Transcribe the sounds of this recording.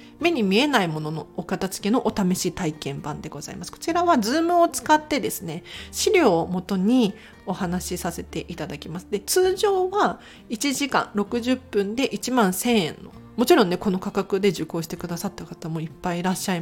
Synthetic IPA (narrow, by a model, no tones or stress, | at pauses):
me̞ɲ̟imʲie̞naimo̞no̞no̞ːkat̪at͡sɨ̥ke̞no̞ʔot̪ame̞ɕiːt̪aikẽ̞mbãnd̪e̞ɡo̞za̰ḭmasɨ̥ko̥t͡ɕiɾaβazɨːmɯ̟ot͡sɨ̥kat̪ːe̞d̪e̞sɨne̞ɕiɾʲo̞ːmo̞t̪o̞ɲ̟i | o̞hanaɕisase̞t̪e̞ʔit̪ad̪akʲimasɨ̥d̪e̞t͡sɨːʑo̞ːβa | it͡ɕiʑikã̰nɾo̞kɯ̟ʑɨpːɯ̟̃nd̪e̞ʔit͡ɕimãɰ̃sẽ̞ɰ̃ẽ̞̰nːo̞̰ | mo̞t͡ɕiɾõnːeko̞no̞kakakɯ̟d̪e̞ʑɨko̞ːɕi̥t̪e̞kɯ̟d̪asat̪ːakat̪amo̞ipːaiɾaɕːai